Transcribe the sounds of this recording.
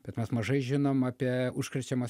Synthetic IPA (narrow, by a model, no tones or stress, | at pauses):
b̥ʲɛt̪mʲɛsmɐʒɐɪʒʲɪnoːmɑːpʲiɛʊʃkɾʲɛt͡ʃʲɛmɐ